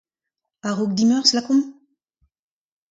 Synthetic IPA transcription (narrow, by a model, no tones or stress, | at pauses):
aʁok̚d̪imœʁslakɔ̃m